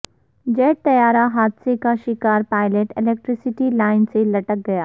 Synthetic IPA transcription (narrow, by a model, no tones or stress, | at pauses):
d͡ʒɛːʈ̚t̪ɐjaːɾaɦaːd̪sekaʃɪkaːɾpaːɪleʈɪleːk̚ʈɾɪsɪʈilaːɪnselɐʈək̚ɡɐjaː